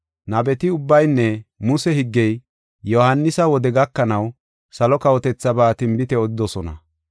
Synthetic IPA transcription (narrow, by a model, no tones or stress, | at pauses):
nɐbɛt̪ɪʊbːɐjnːɛmʊsɛhɪɡːɛj | jɔhɐnːɪsɐwɔd̪ɛɡɐkːɐnɐw | sɐlɔkɐwɔt̪ɛt͡sːɐbaːt̪ɪmbɪt̪ɛɔd̪ɪd̪ɔsɔnɐ̰